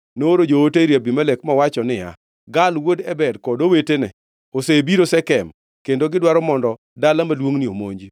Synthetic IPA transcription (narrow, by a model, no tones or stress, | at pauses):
noɾod͡ʒooteɾjabimalekmawat͡ʃɔnɪja̰ | ɡalwodɛbɛdkɔdowetenɛ | osebiɾosɛkɛm | kendoɡɪdwaɾɔmɔndɔ | dalamalwoŋniomo̰ɲd͡ʒi